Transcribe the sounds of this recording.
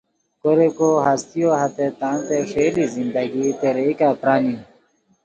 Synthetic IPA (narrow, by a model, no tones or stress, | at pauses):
koɾekoɦast̪ijoːɦɐt̪et̪ãːnt̪efeːlizĩnd̪ɐɡit̪eɾeikaːpɾaːni